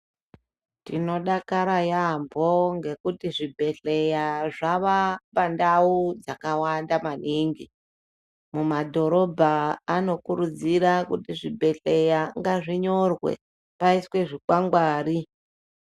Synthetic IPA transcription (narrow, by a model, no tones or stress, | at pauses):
tino̞ɗakaɾajambo̞ŋɡe̞kutiʐibʱe̞ɬe̞jaʐaʋapandaud͡zakawandamaniŋɡi | mumadʱo̞ɾo̞bʱaːno̞kuɾud͡zirakutiʐibʱe̞ɬe̞jaŋɡaʐiɲo̞rwe̞̰ | paiswe̞ʐikwaŋɡwaːɾi